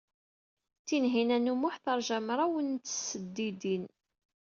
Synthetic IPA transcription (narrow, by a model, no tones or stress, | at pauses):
t͡sːinɦinænumʊħθəɾˤʒæmɾˤɑwənt̪ːsəd̪ːid̪in